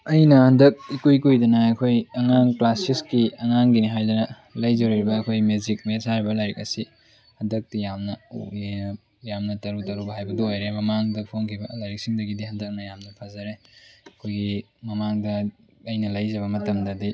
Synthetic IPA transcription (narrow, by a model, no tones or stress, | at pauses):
ɐjnɐhɐndɐk̚ikujkujdɐnɐɐkʰojɐŋaŋklasiskiɐŋaŋɡiniɦajdɐnɐ | lɐjzɐɾiɾibɐːkʰojmezik̚mesaɾibɐlajɾik̚ɐsi | hɐndɐk̚tijamnɐ | jamnɐtɐɾutɐɾubɦajbɐduojɾemɐmaŋdɐpʰoŋkʰibɐlajɾik̚siŋdɐɡidihɐndɐk̚nɐjamnɐpʰɐzɐɾeɐkʰojɡi | mɐmaŋdɐ | ɐjnɐlɐjzɐβɐmɐtɐmdɐdi